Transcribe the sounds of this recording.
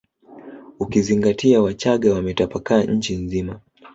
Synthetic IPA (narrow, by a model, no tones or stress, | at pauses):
ukiziŋɡatʰiawat͡ʃaɠawamɛtapakaːɲ̩t͡ʃinzima